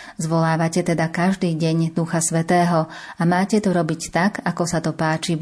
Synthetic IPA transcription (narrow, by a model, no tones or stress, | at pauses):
zʋɔlaːʋacɛt̪ɛd̪akaʒd̪iːɟɛɲd̪uxasʋɛt̪ɛːɦɔ | amaːcɛt̪ɔɾɔbict̪aɡakɔsat̪ɔpaːt͡ʃi